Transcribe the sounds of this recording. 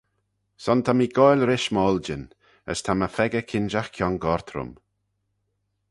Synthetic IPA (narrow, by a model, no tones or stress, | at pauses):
sɔnt̪ʰamiːɡɔjlɾɪʃmɔːld͡ʒɪn | ə̰st̪ʰaməfɛɡəkʰɪnd͡ʒaxkʰjɔŋɡɔɹt̪ʰɾʊ̰m